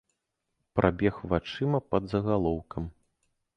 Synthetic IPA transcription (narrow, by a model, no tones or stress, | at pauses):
pɾʔabʲɛxvat͡ʂɨmɐpɐd̪zɐɣalˠɔwkɐm